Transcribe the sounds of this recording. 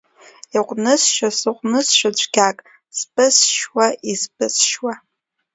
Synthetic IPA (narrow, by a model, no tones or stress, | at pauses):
iqʷʼnɨsʃasɨqʷʼnɨsʃʷᶣad͡ʒʷʰʼɡʲakʼ | z̥bʼɨsʃwaʔizbɨsʃwa